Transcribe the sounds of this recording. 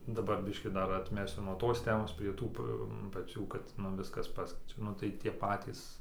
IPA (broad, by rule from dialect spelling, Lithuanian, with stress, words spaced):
dɐˈbɐr ˈbʲɪʃʲkʲiː ˈdɐr ɐtʲˈmʲæːsʲʊ nuɔ ˈtoːs ˈtʲæːmoːs pʲrʲiɛ ˈtuː p pɐˈt͡sʲuː kɐt nʊ ˈʋʲɪskɐs ˈpɑːsʲkʲɛɪt͡ʃʲɛ ˈnʊ tɐɪ tʲiɛ ˈpɑːtʲiːs